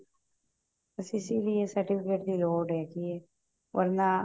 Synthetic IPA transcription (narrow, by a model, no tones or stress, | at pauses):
bəsɪsiliesəɾʈɪpʰɪkeːʈd̪iːloːɖɦɛːki | ʋɐ̰ɾnaː